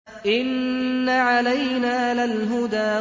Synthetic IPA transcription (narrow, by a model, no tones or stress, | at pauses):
ʔɪnːaʕalajnaːlalɦʊd̪aː